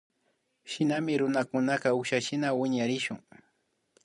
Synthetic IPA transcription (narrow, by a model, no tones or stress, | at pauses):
ʃɪnamɪɾʊnakʊnakaʊʃaʃɪnawɪɲaɾɪʃʊŋ